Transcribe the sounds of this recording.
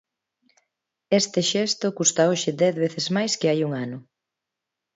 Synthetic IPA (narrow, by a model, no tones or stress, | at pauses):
ɛst̪ɪʃɛst̪ʊkust̪aoʃɪd̪ɛθβeθɪzmajskɪajuŋanʊ